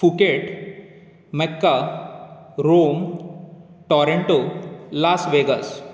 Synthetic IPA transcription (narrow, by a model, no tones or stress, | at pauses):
fukeʈ | mekːa | ɾom | ʈɔɾeɳʈolasʋeɡəs